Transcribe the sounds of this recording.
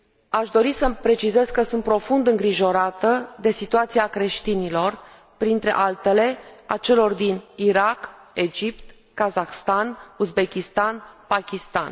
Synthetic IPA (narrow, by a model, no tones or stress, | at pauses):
aʃd̪o̞ɾisəpɾe̞t͡ʃize̞zkəsunt̪̚pɾo̞fund̪ɨŋɡɾiʒo̞ɾat̪əd̪e̞sit̪uat̪siakɾe̞ʃt̪inilo̞r | pɾint̪ɾe̞ʔalt̪e̞le̞at͡ʃe̞lo̞rd̪iniɾak | e̞d͡ʒipt̪ | kazaxst̪anuzbe̞kʲist̪anpakʲist̪a̰n